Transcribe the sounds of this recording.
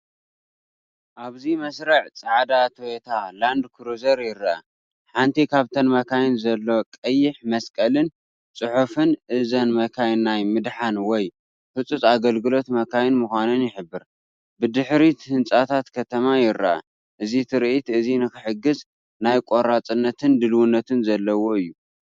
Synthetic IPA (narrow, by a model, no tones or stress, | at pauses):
ʔaβzimɐsɾɐʕt͡sʼaʕd̪at̪ʰwet̪ʰaland̪kʰɨɾuzɐɾjɪɾːaʔa̰ | ħant̪ʰikʰaβt̪ʰɐnmɐkʰajɪnzɐlːo̞kʼɐjːɪħmɐskʼɐlɨn | t͡sʼɨħufɨnʔɨzɐnmɐkʰajnːajmɨd̪ħanwɔj | fɨt͡sʼut͡sʼaɡɐlɡɨlo̞t̪mɐkʰajɪnmuxʷanɨnjɪħɨbːɨɾ | bɨd̪ɨħɾit̪hɨnt͡sʼat̪ʰat̪kʰɐt̪ʰɐmajɪɾɐa̰ | ʔɨzit̪ʰɨɾʔit̪ɨzinɨxɨħɨɡːɨz | najkʼoɾat͡sʼɨnːɐt̪ʰɨnd̪ɨlwunːɐt̪ʰɨnzɐlːɐwo̞ɨjːu